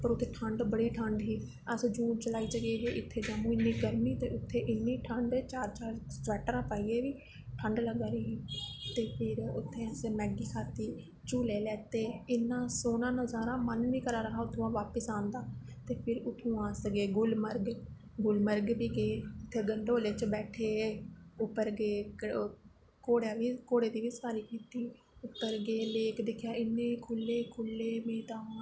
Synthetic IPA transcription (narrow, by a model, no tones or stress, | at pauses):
pəɾʊt̪ʰːeːʈʰəɳɖbəɽiːʈʰəɳɖɦiː | əsd͡ʒũːt͡ʃəlaːiːsəɡeːɡeːʔɪt̪ʰːeːd͡ʒaːmũːɪnːiːɡəɾmiːt̪eːʊt̪ʰːeːʔɪnːiːʈʰəɳɖt͡ʃaːɾt͡ʃaːɾsʋɛːʈɾãːpaːiːeːʋiː | ʈʰəɳɖləɡaːɾiːɦiːt̪eːpʰɪɾʊt̪ʰːẽːəsmɛːɡiːkʰaːt̪iː | t͡ʃuːleːlɛːt̪eːɪnːãːsoːnãːnə̃ːzaːɾãːmənnĩːkəɾaːɾəɦaːʊt̪ʰːõãːʋaːpəsãːnd̪aːt̪eːpʰɪɾʊt̪ʰːũːãːsəɡeːɡʊlməɾɡ | ɡʊlməɾɡbiːɡeːʊt̪ʰːeːɡəɳɖoːleːt͡ʃbɛːʈʰeːʊpːəɾɡeːk | koːɽjaːʋiːkoːɽeːd̪iːʋiːsaːɾiːkiːt̪iː | ʊpːəɾɡeːleːkd̪ɪkʰːjaːɪnːẽːkʰʊlːeːkʰʊlːeːmeːt̪aː